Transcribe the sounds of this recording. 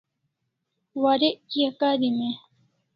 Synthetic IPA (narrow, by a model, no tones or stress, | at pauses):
waɾeʔkiakaɾime